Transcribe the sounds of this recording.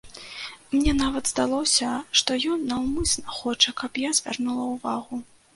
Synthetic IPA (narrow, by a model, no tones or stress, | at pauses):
mnʲɛnavɐd̪zd̪alˠɔsʲɐʂt̪ɔjɔnːɐwmɨsʲnɐxɔt͡ʂɐkɐpjazʲvʲa̰rnulˠɐwvaɣu